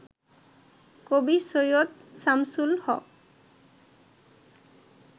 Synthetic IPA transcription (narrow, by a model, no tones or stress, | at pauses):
kobisojot̪̚samsulhɔ̰k̚